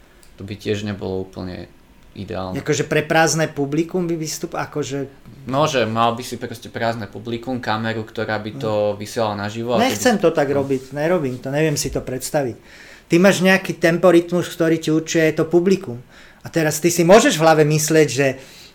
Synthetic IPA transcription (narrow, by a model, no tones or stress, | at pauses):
t̪ɔbicɪɛʒɲɛbɔ̰lɔuːpl̩ɲɛ̰ | ḭd̪ɛ̰a̰ːlnakɔʒɛpɾɛpɾaːznɛpublikumbibist̪upakɔʒɛ | nɔʒɛmalbisipɾɔscɛpɾaːznɛpublikumkamɛɾukt̪ɔɾaːbit̪ɔʋisɪɛlalanaʒiʋɔaɲɛxt͡sɛmt̪ɔt̪aɡɾɔbicɲɛɾɔbiːmt̪ɔɲɛʋɪɛmsit̪ɔpɾɛt̪st̪aʋic | t̪imaːʒɲɛakiːt̪ɛmpɔɾit̪muskt̪ɔɾiːciuɾt͡ʃiɛjt̪ɔpublikum | at̪ɛɾast̪isimʊɔʒɛʒvɦlaʋɛmislɪɛɟʒɛ